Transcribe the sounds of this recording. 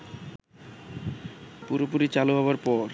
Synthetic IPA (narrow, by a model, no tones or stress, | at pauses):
puɾopuɾit͡ɕaluɦɔbaɾpɔɾ